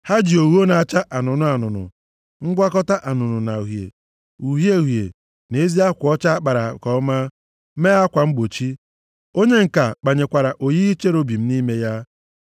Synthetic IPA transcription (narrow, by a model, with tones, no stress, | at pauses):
ha˦d͡ʒi˨o˨wu˦o˦na˨t͡ʃa˦ʔa˨nʊ˨nʊ˦a˨nʊ˨nʊ̰˨ | ŋ̩˦ɡʷa˦kɔ˦ta˦ʔa˨nʊ˨nʊ˨na˨ɦjḛ˨ | u˨ɦje˦˨ɦjḛ˨ | ne˦zi˦a˦kʷɔ˦t͡ʃa˦a˦k͡pa˨ɾa˨kɔ˦ɔ˦ma˦ | me˦a˦kʷa˨ŋ͡m̩˦ɡ͡bo˨t͡ʃi˦ | o˦ɲe˦ŋ̩˨ka˨k͡pa˨ɲe˨kʷa˨ɾa˨ʔo˨ji˦i˦t͡ʃe˦ɾo˦bi˨m̩˦ni˦me˦ja˦